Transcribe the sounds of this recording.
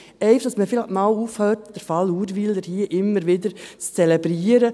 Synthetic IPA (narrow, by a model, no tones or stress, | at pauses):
ɛɪfə̥d̥ɑsməfilmalufhœtd̥əɾfɑluːɾʋildəɾhiəʔɪmːəɾʋɪdəɾt͡st͡sɛlɛbɾiəɾə